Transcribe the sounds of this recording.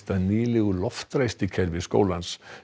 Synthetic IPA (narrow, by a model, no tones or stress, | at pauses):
t̪aðniːlɪɣʏlɔft̪ɾajst̪ɪcʰɛɾvɪsko̰ːwlans